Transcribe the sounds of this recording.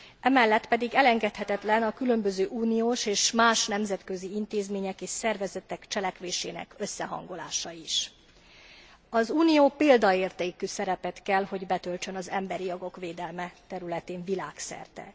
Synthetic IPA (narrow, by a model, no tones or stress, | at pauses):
ʔɛmɛlːɛt̪pɛd̪iɡɛlɛŋɡɛt̪hɛt̪ɛt̪lɛnɒkylø̞mbøzøːʔuːnijoːʃeːʃmaːʃnɛmzɛt̪kø̞ziint̪eːzmeːɲɛkeːʃsɛrvɛzɛt̪ɛkt͡ʃɛlɛkʋeːʃḛːnɛ̰kø̞sːɛɦɒ̰ŋɡo̞la̰ːʃɒiʃ | ɒzuːnijoːpeːld̪ɒeːrt̪eːkysɛɾɛpɛt̪kɛlho̞ɟbɛt̪ø̞lt͡ʃø̞nɒzɛmbɛɾijoɡo̞kʋeːd̪ɛlmɛt̪ɛɾylɛt̪eːɱvilaːksɛ̰rt̪ɛ̰